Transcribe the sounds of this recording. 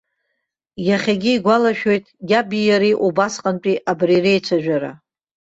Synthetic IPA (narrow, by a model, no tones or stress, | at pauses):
jaχʲaɡʲiːɡʷalaʃᶣo̞jtʼɡʲabijaɾiʔubasqʼant͡pʼiʔabrirejt͡ʃʷʰaʒᶣaɾa̰